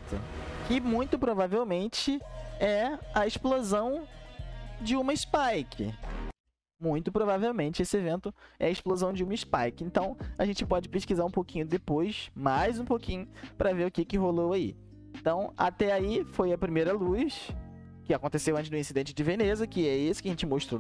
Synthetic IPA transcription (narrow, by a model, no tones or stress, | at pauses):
t̪ʰɐ̰kɪmũj̃t̪ʊpɾovavewmẽnt͡ʃɪɛɐesplozɐ̃w̃ | d͡ʒɪũmɐɪspajkʰɪ̰ | mũj̃t̪ʊpɾovavewmẽnt͡ʃɪesɪevẽnt̪ʊɛ̰ɐɪʃplozɐ̃w̃d͡ʒɪũmɐɪspajkɪẽnt̪ɐ̃w̃ɐʒẽnt͡ʃɪpɔd͡ʒɪpeʃkizaɾũpowkĩɲʊd̪epojsmajzũpowkĩɲʊpɾɐveɾʊkɪkɪɦolowaḭ | ẽnt̪ɐ̃w̃a̰t̪ɛaifojɐpɾimejɾɐlujs | kɪakõnt̪esewɐ̃t͡ʃɪd̪ʊĩsid̪ẽnt͡ʃɪd͡ʒɪvenezɐkɪɛesʊ̥kɪɐʒẽnt͡ʃɪmoʃt̪ɾo